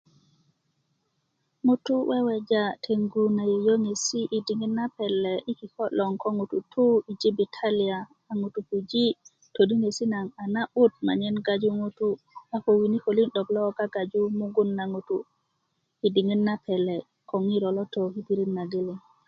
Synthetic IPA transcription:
ŋu˦tu˦we˦we˨d͡ʒa˦tʰe˨ŋɡu˨na˨ji˨jo˦ŋe˨si˦ʔi˨di˨ŋi˦nːa˦pɛ˨lːe˨ʔi˦ki˨kɔ˦lɔ˨ŋko˦ŋu˨tu˨tʰu˦i˨d͡ʒi˦bitʰa˦li˨aː˨ | ŋu˨tu˨ku˨d͡ʒi˦ | to˨di˦ŋe˨si˦na˨ŋa˨na˦ɓu˦t̚ma̰˨ɲe˦nɡa˨d͡ʒu˦ŋu˦tu˦ | a˦ko˨wi˨ni˦ko˨li˦nɗɔ˨ɡlɔ˦ɡa˦ɡa˨d͡ʒu˦mu˦ɡu˦nːa˨ŋu˨tu | i˨di˨ŋi˦nːa˦pʰɛ˨lɛ˨ | ko˨ŋi˦ɾo˨lɔ˦to˨ki˦pi˦ɾi˦nːa˨ɡe˦li˨

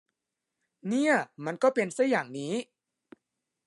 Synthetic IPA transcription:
ni˥˩ɐma˧nkɔː˥˩pe˧nsaː˥˩jaː˨˩ŋniː˦˥

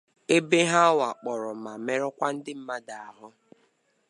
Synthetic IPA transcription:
e˦be˦ɦa˦wa˨k͡pɔ˨ɾɔ˨ma˨me˦ɾɔ˦kʷa˦n̩˦dɪ˦m̩˦ma˦da˨a˨ɦʊ˦

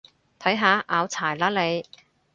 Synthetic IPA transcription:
t̪ʰɐ˨˥jɦaː˨˧ʔaː˨˧wt͡sʰaː˨˩jlaː˥le˨˧j

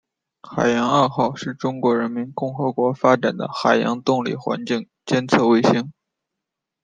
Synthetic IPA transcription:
xa˨˩ɪjɑ˧˥ŋa˞˥˧xɑ˥˧ʊʂɻ̩˥˩ʈ͡ʂʊ˥ŋkwɔ˧˥ɻə˧˥nmi˧˥nkʊ˥˩ŋxɤ˧˥kwɔ˧˥fa˥ʈ͡ʂa˨˩nd̪ə̰˦xa˨˩ɪjɑ̰˧˥ŋt̪ʊ˥˧ŋlḭ˥˩xwa̰˧˥nt͡ɕi˥˩ŋ | t͡ɕjɛ˥nt͡sʰɤ˥˧we˥ɪɕi˥ŋ

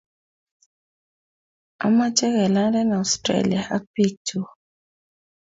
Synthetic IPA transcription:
a̰˨˦ma˦t͡ʃɛ˦kɛ˨la˦ndɛ˦na˨ɔ˨stɾḛ˦lḭ˨a˨ʔa˦pi˦to˦˨

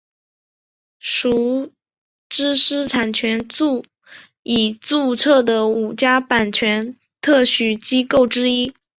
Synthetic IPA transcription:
ʂu˧˥ | ʈ͡ʂɻ̩˥ʂɻ̩˥ʈ͡ʂʰa˨˩nt͡ɕʰɥɛ˧˥nt͡su˥˩ | i˨˩t͡su˥˧ʈ͡ʂʰɤ˥˩d̪ə˩u˨˩t͡ɕja˥pa˨˩nt͡ɕʰɥɛ˧˥n | t̪ʰɤ˥˩ɕy˨˩t͡ɕi˥ko˥˩ʊʈ͡ʂɻ̩˥i˥

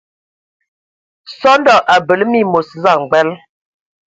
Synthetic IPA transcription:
sɔ˦n˦dɔ˦˨ʔa˨bə˨lmi˦˨mo˨sza˦˨ŋ͡mɡ͡bɛ˦l

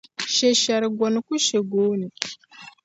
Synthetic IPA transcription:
ʃe˨ʃa˨ɾɡʷo˨nku˦ʃe˨ɡo˦ni˨

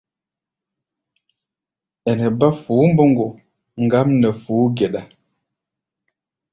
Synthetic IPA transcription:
ɛ˨nɛ˨ba˦fuː˨˦m̩˦bo˦ŋɡo˨ | ŋ̩˨ɡa˦mnɛ˨fuː˨˦ɡɛ˨ɗa˨

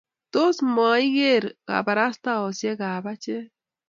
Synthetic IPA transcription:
to˦sma˨i˦ɣe˦˨ɾka̰˨ba˨ɾa˦sta˦ɔ˨sje˦ka˨ba˦t͡ʃe˦

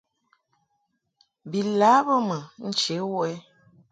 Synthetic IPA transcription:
bi˨laː˨˦bə˦mə˨n̩˦t͡ʃe˨˦wɛ˦

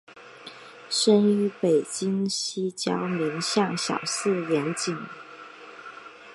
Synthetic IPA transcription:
ʂə˥ny˧˥pe˨˩ɪt͡ɕi˥ŋɕi˥t͡ɕjɑ˥ʊmi˧˥nɕjɑ˥˩ŋɕjɑ̰˨˩ʊsɹ̩˥˩jɛ˧˥nt͡ɕi˨˩ŋ

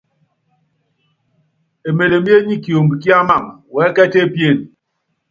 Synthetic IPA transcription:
e˨me˨le˨mje˦ɲi˦kjo˨m̩˨i˨ki˦a˦ma˦˨ŋwɛ˨˦kɛ˦te˦pje˦˨n

